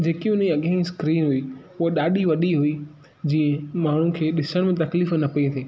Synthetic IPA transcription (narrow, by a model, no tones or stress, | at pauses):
d͡ʑeːkiʊn̤iɐɠãĩskɾiːnɦʊi | ʊɦoɗaːɗiʋɐɗiɦʊi | d͡ʑĩːə̃maːɳ̤ũkʰeːɗɪsəɽ̃mẽt̪̬ɐkliːfnɐpɐit̪ʰeː